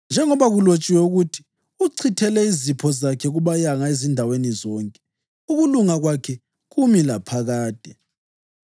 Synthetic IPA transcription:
nd͡ʒʱɛŋɔβaɣulot͡ʃʼiwɛuɣutʰi̥ | uǀʰitʰɛlɛizipʰɔzakʰɛɣuβajaŋaezindʱawenizɔːŋkʼɛ̥ | uɣuluŋaɣwakʰɛ | ɣumilapʰaɣaːd̥ʱɛ

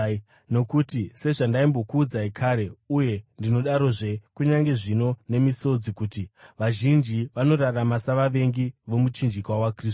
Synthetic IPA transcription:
no̞kutise̞ʐandaimbo̞kuːd͡zaikʰaɾe̞uje̞ndino̞ɗaɾo̞ʐe̞kuɲaŋɡe̞ʐino̞ne̞miso̞d͡zikuːtiʋaʒind͡ʒiʋano̞raramasaʋaʋe̞ŋɡiʋo̞mut͡ʃind͡ʒikwawakrisu

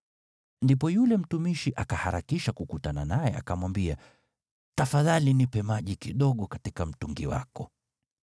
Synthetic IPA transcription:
ndipɔjulɛm̩tumiʃiʔakahaɾakiʃakukutananajɛa̰kamwambia | tafaðalinipɛmaʄikiɗɔɠɔkatikam̩tuŋɡiwa̰kɔ

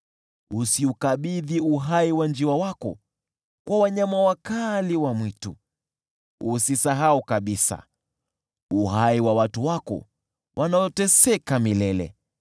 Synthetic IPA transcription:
usiukaɓiðiuɦaiwand͡ʒiawakɔ̰ | kwawaɲamawakaliwamwitu | usisaɦaukaɓisa̰ | uɦaiwawatuwakɔ̰ | wʔanajɔtɛsɛkamilɛlɛ̰

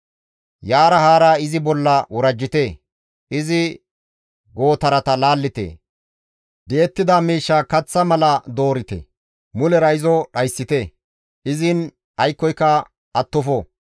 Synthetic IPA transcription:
jaːɾɐhaːɾaːɪzɪbɔlːɐwɔɾɐd͡ʒːɪt̪eː | ʔɪzɪ | ɡo̞ːt̪ɐɾɐt̪ɐlaːlːɪt̪ḛː | d̪eːt̪ːɪd̪amiːʃːaːkɐt͡sːɐmɐlɐd̪o̞ːɾɪt̪ḛ | mʊlɛɾɐɪzɔɗɐjsːɪt̪e | ʔɪzɪn | ɐjkːɔjkːɐ | ʔɐt̪ːɔfɔ

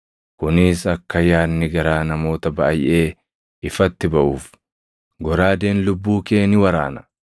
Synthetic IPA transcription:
kʊnɪsɐkːɐjaːnːɪɡɐɾaːnɐmo̞ːt̪ɐbɐʔɐjʔe̞ː | ɪfɐt̪ːɪbɐʔuːf | ɡɔɾaːd̪e̞ːnlʊbːuːke̞ːnɪwɐɾa̰ːnɐ̥

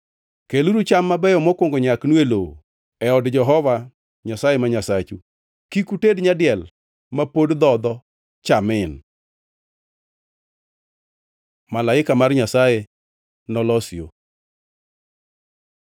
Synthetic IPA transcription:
keluɾut͡ʃamːabɛjɔmɔkwoŋɡoɲaknwelo | ɛɔdd͡ʒɛɦɔva | ɲasajemaɲasat͡ʃu | kikutedɲadɪɛl | mapodd̪ɔd̪ɔ | t͡ʃamɪn | malaɪkamarɲasaje | nɔlɔsjo̰

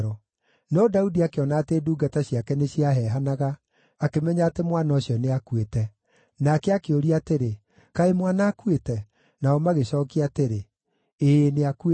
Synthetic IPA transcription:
ɾɔ | nɔdaudiakeɔnaːteːduːɡataɕiakɛneɕiaɦɛɦanaɣaː | kemɛɲaːtemwanaɔɕjɔneakuetɛ | nakɛakeoɾiateɾe | kaemwanaːkuwetɛ | naɔmaɣeɕɔːkiateɾe | eːneakue

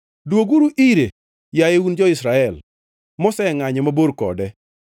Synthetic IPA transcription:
dwoɡuɾuʔiɾe | jajeund͡ʒɔɪsɾaɛl | mɔsɛŋaɲɛmaboɾkɔ̰dɛ

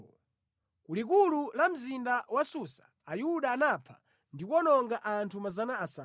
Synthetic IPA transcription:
kulik̬ululam̩zindawasusḁːjuɗaːnapʰḁ | ndikwɔnɔŋɡaʔantʰumazanaːsa

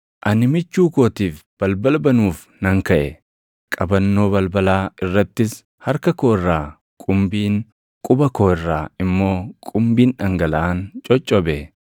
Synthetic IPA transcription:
ʔɐnɪmɪt͡ʃːuːkoːt̪iːfb̥ɐlbɐlbɐnuːf | nɐŋkɐʔɛ | kʼɐbɐnːo̞ːbɐlbɐlaːɪrːɐt̪ːɪs | hɐɾkɐkoːɪrːaː | kʼʊmbiːn | kʼʊbɐkoːɪrːaːɪmːo̞ːkʼʊmbiːnɐŋɡɐlɐʔaːnt͡ʃʼɔt͡ʃʼːɔbɛ

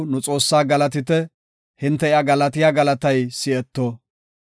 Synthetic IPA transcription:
nʊt͡sʼo̞ːsːaːɡɐlɐt̪̬ɪt̪ɛ | hɪnt̪ːɛɪjaɡɐlɐt̪ɪjaːɡɐlɐt̪ɐjsɪɛt̪ːoː

